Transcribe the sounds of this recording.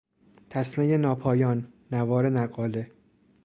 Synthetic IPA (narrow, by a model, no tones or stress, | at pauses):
t̪ʰæsmejenɒːpʰɒːjɒːnː | ævɒːɾe̞næɡɒːle̞